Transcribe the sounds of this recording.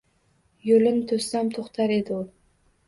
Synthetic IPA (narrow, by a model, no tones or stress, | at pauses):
jolɪnt̪ʰɵst̪amt̪ʰoχt̪ʰaɾed̪ɪo